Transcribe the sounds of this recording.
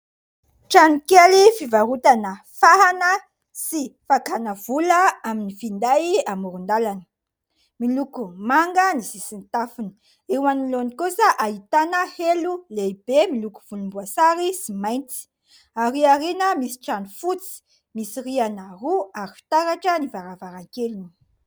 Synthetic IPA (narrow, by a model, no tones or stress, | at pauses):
ʈ͡ʂanikelifivaɾut̪anə | faɦanə | sifakanəvulaaminifind̪ajamuɾund̪alanə̥ | milukumaŋɡənisisint̪afunə̥ | ewanilonikusəʔait̪anəheluleibemiluku̥v̥ulumbuasaɾisimajnt͡si̥ | aɾiaɾenəmisi̥ʈ͡ʂanifut͡si̥ | misirianaruaɾifi̥t̪aɾaʈ͡ʂənivaɾavaɾaŋkeluni̥